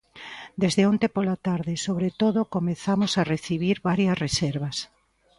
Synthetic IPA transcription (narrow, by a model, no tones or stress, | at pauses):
d̪ezðeõnt̪epolat̪aɾðɪsoβɾet̪oðokomeθamosareθiβ̞iɾβaɾjɐsresɛɾβɐs